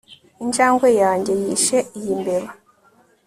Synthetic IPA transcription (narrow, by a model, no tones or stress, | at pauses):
ind͡ʒaːŋɡwejaːɲɟe̞jiːʃeijimbeβa